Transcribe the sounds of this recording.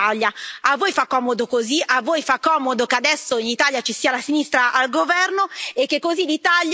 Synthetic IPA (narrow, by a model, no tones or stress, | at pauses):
aljaavːoːjfakːɔːmod̪okoziʔavːoːjfakːɔːmod̪okead̪ɛsːoinit̪aljat͡ʃisiːalasinist̪ɾaʔalɡovɛrnoekːekːozilit̪alj